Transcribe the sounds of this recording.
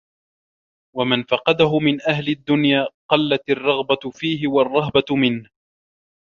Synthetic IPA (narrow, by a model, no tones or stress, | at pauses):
wamanfɑqɑd̪aɦʊmɪnʔahlɪd̪ːʊnjaːqɑlːat̪ɑrˤːɑɣbafiːɦɪwɑrˤːɑhbamɪnh